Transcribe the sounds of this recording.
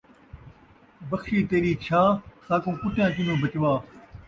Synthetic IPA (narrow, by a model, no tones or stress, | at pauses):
bəkʰʃiːt̪eːɾiːt͡ʃʰaːsaːkõːkʊʈjãːt͡ʃɪnõːbət͡ʃʋaː